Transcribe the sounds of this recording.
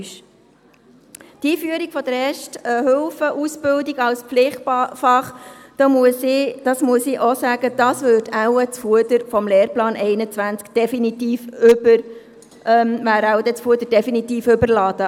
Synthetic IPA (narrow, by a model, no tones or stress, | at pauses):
ʃ | tiːfyəɾiɡ̥fɔd̥̪əɾɛːʃtəhʏlfəʔusbʏldiɡɑlspflɪχtpfɑχd̥̪ɑmsd̥ɑsmuəsiʔosæːɡ̥əd̥ɑsvøtæwət͡sfuəd̪əɾfɔmleːrplɑːnʔɛɪnət͡sʋænt͡skd̥ɛfinit̪iːfʏbəɾ | ʔmʋæːɾæwd̪ɛt͡sfuəd̪əɾd̥ɛfinit̪iːfʏbəɾlɑːd̥̪ə